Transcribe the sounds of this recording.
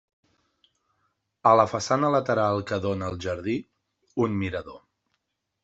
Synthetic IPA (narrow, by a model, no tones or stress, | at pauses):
ələfəsanələt̪əɾalˠkəðonəːlˠʒəɾði | unmiɾəðo